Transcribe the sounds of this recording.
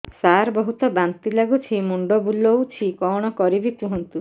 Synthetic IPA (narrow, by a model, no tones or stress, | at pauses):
saɾbɔɦut̪ɔbant̪ilaɡut͡ʃʰimuɳɖɔbulɔwt͡ʃʰikɔɽ̃ɔkɔɾibikuɦɔnt̪u